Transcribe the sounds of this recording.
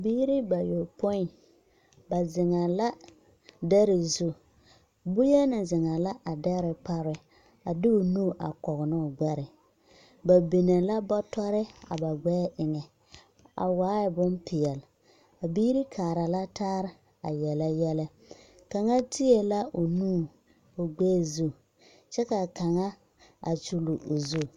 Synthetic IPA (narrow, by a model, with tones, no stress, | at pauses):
a˨biː˦ɾi˦ba˨jo˨po˦i˨ | ba˨zɪ˨ŋa˨la˦ | dɛ˦ɾɪ˨zu˦ | bʊ˦jɛ˦nɪ˨zɪ˨ŋa˨la˦ʔa˨dɛ˦ɾɪ˨pa˦ɾɪ˨ | a˨dɪ˦o˨nu˦˨ʔa̰˨kɔ˨ɣnʊ˦˨ɡ͡bɛ˦ɾɪ˨ | ba˨bi˨ne˨la˦bɔ˦tɔ˦ɾɪ˦a̰˨ba˨ɡ͡bɛː˦ʔɪ˨ŋɛ˨ | a̰˨waː˦ɪ˨bʊ˦npɪ˨jɛ˨l | a˨biː˦ɾi˦kʰaː˨ɾa˨la˦taː˦ɾɪ˦ | a̰˨jɛ˨la˦jɛ˦lɛ˦ | ka˨ŋa˦tʰɪ˦e˨la˦ʔo˨nuː˦˨ | o˨ɡ͡bɛː˦˨zu˦ | t͡ʃɛ˦ka˨ka˨ŋa˦ | a̰˨t͡ʃu˨lu˨ʔo˨zu˦˨